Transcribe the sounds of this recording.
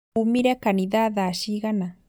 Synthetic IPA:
umiɾekaniðaðaʃiɣana

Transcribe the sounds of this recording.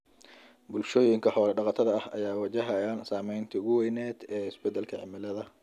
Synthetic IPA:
bʊlʃoːjɪŋkʰɐħɔːlɐɖɑqɑt̪ʰɐðɐɐhɐ̰jaːwɐt͡ʃɐɦɐjaːnsaːmɛjnt̪ʰɐʊɣʊwɛjnɛːd̪ɛːɪsbɛd̪ːɛlkʰɐʕɪ̰mɪlɐðɐ

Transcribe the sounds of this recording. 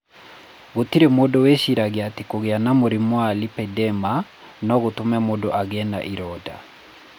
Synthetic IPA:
ɣotiɾemodɔwɛʃiɾaɣeatikoɣeanamoɾimwalipɛdɛma | nɔɣotomɛmodɔʔaɣɛna̰ʔiɾɔda̰

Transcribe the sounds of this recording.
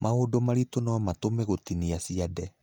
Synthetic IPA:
mʔaodomaɾitonawamatomeɣotiniasiadɛ

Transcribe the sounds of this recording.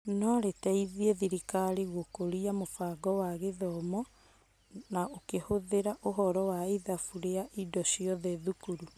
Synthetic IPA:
nɔɾetɛiðieðiɾikaɾiɣokoɾiamofaːɡɔwaɣeðɔmɔ | naokehoðeɾaʔoɦɔɾɔwaiðafuɾeaʔidɔʃiɔðɛðukuɾu

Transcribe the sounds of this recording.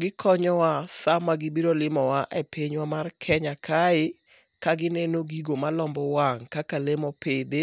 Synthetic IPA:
ɡɪkʰɔɲɔwasamaɡɪbiɾolɪmɔwaʔepʰeɲwamarkʰɛɲakʰaɪ | kaɡɪnenoɡiɡomalɔmbɔwaŋkakalemɔpede

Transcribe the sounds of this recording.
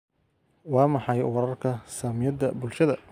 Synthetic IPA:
wɑːmɑħɑjwɑɾɐrkʰɐsaːmɪjɐd̪ɐbʊlʃɐðɐ

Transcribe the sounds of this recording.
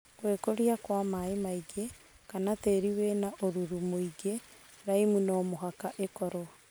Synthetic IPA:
kweːkoɾiakwamaemaiɡe | kanateːɾiwenaʔoɾuɾumoiɡe | ɾaimunɔːmoɦakaʔekɔɾo

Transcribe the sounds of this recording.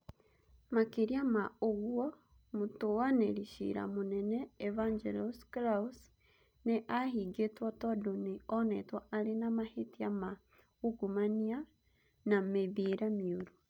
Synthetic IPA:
makeɾiamaoɣuɔ | motowaneɾiʃḭɾa̰monɛnɛːvand͡ʒɛlɔsklas | neʔaɦiɡetwatɔdoneɔnɛtwaʔaɾenamahetiama | uɡumania | nameβeɾamioɾu

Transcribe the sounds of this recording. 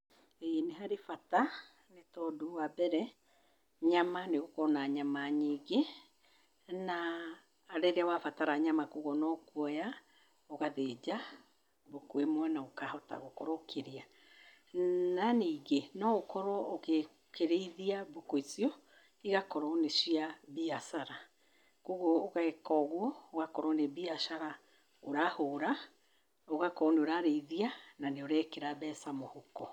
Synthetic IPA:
ejeneɦaɾefata | netɔdoabɛɾɛ | ɲamaneɣokɔnaɲamaɲiːɡe | naː | ɾeɾeawafataɾaɲamakoɣɔnɔkwɔja | oɣaðed͡ʒa | bokwemwɛnaokahɔta̰ɣokɔɾɔokʰeɾia | naniiɣenɔokɔɾɔoɣe | kʰeɾeiðiabokoit͡siɔ | iɣakɔɾɔnesiabiasaɾa | koɣɔoɣaekɔɣwɔːɣakɔɾɔnebiaʃaɾa | oɾahoɾa | oɣakɔoneoɾaɾeiðiananeoɾɛkeɾaβɛsamohokɔ

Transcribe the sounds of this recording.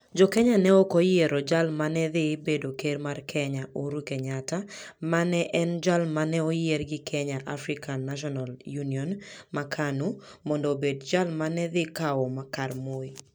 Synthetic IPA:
d͡ʒɔkɛɲanɛɔkɔjɪeɾɔd͡ʒalmanɛðɪbedokeɾmarkʰɛɲaʔoɾukɛɲatamanɛʔɛnd͡ʒalmanɛojerɡɪkʰɛɲaʔafɾɪkanːaʃ̬ɔnaljuniɔnmakʰanumɔndɔbedd͡ʒalmanɛðɪkaɔmakarmoi

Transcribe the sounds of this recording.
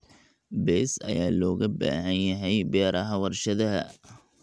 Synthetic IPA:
bɛːsɐ̰jaːlɔːɣɐba̰ːɦɐnjɐɦɛjbɛːɾʔɐɦɐwɐrʃɐðɐɦɐ

